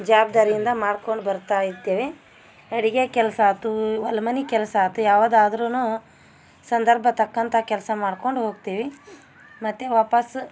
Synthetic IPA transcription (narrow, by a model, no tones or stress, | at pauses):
d͡ʒaːb̚d̪aːɾijind̪ɐmaːɖko̞ɳɖubɐɾt̪aːjit̪ːeːʋe | ɐɽiɡekɛlɐsɐːt̪uʋɐlɐmɐnikɛlsɐt̪ːujaːʋaːd̪aːd̪ɐɾunuː | sɐnd̪ɐɾbʱɐt̪ɐkːɐnt̪ʰɐkɛlsɐmaːɖko̞ɳɖɦo̞ːɡt̪iːʋi | mɐt̪ːeʋaːpɐs